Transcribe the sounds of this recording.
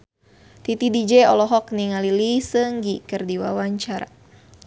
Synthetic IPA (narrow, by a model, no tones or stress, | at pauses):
t̪it̪idid͡ʒɛɔlɔɦɔk̚niŋalilisəŋɡikərdiwawaɲt͡ʃaɾa̰